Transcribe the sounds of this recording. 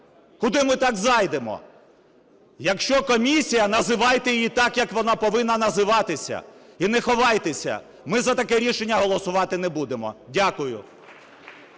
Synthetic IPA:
kʊd̪ɪmɪt̪ɑɡzɑjd̪emɔ̰ | jɐkʃt͡ʃɔkɔmʲisʲijɐnɐzɪʋɑjt̪ejjit̪ɑkjɐkʋɔnɑpɔʋɪnːɐnɐzɪʋɑt̪ɪsʲɐ̰ | inɛxɔʋɑjt̪esʲɐ̰ | mɪzɐt̪ɐkɛɾʲiʃenʲːɐɦɔlˠɔsʊʋɑt̪ɪnɛbud̪emɔ̰dʲakʊjʊ̰

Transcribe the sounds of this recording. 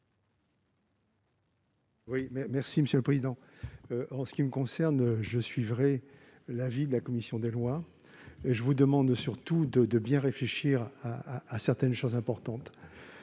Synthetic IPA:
wimɛmɛʁsiməsjøləpχezid̪ɑ̃ | øʔɑ̃sə̥kʲiməkɔ̃sɛʁnʒəsɥivʁɛ | lavid̪əlakɔmisjɔ̃d̪elwa | eʒəvud̪əmɑ̃d̪syʁt̪ud̪əd̪əbjɛ̃ʁefleʃiʁaaːsɛʁt̪ɛnʃozɛ̃pɔʁt̪ɑ̃t̪

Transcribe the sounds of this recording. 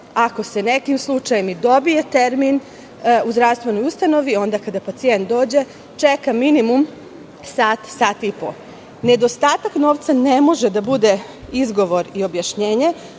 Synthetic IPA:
ako̞se̞ne̞kimslˠut͡ʃajemid̪o̞bije̞t̪e̞ɾmin | uzd̪ɾaʋst̪ʋe̞no̞just̪ano̞ʋio̞nd̪akad̪apat̪sije̞nt̪̚d̪o̞ːd͡ʑe̞ | t͡ʃekaminimum | saːt̪saːt̪ipo̰ | ne̞d̪o̞st̪aːt̪akno̞ːʋt̪sane̞mo̞ʒed̪abud̪e̞ | izɡo̞ʋo̞ɾio̞bjaʃɲeːɲe̞

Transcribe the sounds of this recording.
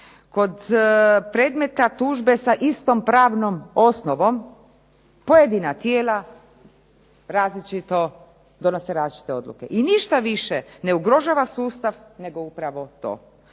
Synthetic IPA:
ko̞d̪pɾeːd̪me̞t̪at̪uːʒbe̞saʔist̪ompɾaːʋnomo̞snoʋo̞m | po̞jed̪inat̪jeːla | ɾaːzlit͡ʃit̪o̞ | d̪o̞noseɾaːzlʲit͡ʃi̥t̪eo̞d̪lˠṵkḛʔiniʃt̪aʋiʃene̞uɡɾo̞ʒaːʋasuːst̪aʋne̞ɡo̞upɾaʋo̞t̪o̞̰ː

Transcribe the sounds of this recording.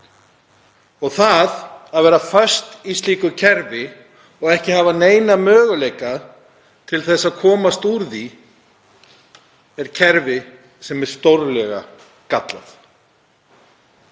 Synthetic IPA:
ɔɣθaðaðvɛːɾafœɥst̪ist̪iːkʏcʰɛɾvɪ | ɔɣɛhcɪhaːvaneːjnamœːɣʏlejka | t̪ʰɪlθɛsːaðkʰɔːmast̪uɾði | ɛɾ̥cʰɛɾvɪ | sɛmɛɾ̥st̪owɾlɛɣa̰ | kat̪la̰θ

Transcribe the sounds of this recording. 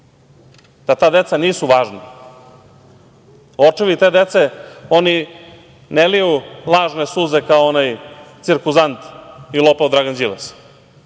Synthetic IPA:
d̪̥at̪aːd̪e̞t̪saniːsuʋaːʒna | ot͡ʂiʋit̪e̞ːd̪et̪seoni | nelijulˠaːʒnesuzekaoonajt̪siɾkuzant̪ilˠopaod̪ɾaɡand͡ʒiles

